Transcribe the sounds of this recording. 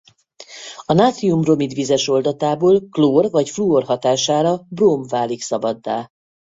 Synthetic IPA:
ɒnaːt̪siumro̞mid̪ʋizɛʃo̞ld̪ɒt̪aːboːlkloːrvɒcfluorɦɒt̪aːʃaːɾɒbroːmvaːliksɒbɒd̪ːa̰ː

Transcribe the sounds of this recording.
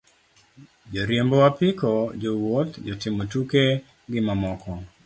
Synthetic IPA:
d͡ʒoɾjembɔwapɪkɔd͡ʒowot̪d͡ʒɔtɪmotuke | ɡɪmamɔkɔ

